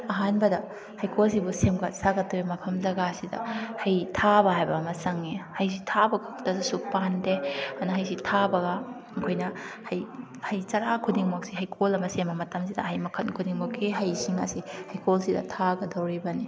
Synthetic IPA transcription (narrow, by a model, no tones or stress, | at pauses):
ɐɦanbɐdɐ | hɐjkʰols̬ibusemɡatsaɡɐtːɐwimɐpʰɐmzɐɡasidɐ̰hɐjtʰabɐɦajbɐːmɐsɐŋːihɐjs̬itʰabɐɡɐtɐsisuk̚pandeɐnɐɦɐjs̬itʰabɐɡɐ | ɐkʰojnɐhɐj | hɐjtɐɾakʰudiŋmok̚siɦɐjkʰolɐmɐsembɐmɐtɐmsidɐɦɐjmɐkʰɐnkʰudiŋmokiɦɐjsiŋa̰sihɐjkʰolsidɐ̰tʰaɡɐdɐwɾibɐni